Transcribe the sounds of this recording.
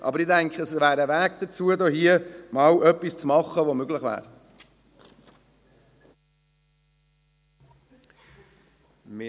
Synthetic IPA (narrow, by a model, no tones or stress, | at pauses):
ʔɑ̰bəɾɪdæŋkχəəsvæːɾəʋæːɡd̥̪ət͡suəd̪oːhiəmɑːwʔœpːist͡smɑχəʋomøɡlɪχvæ̰ːɾ | m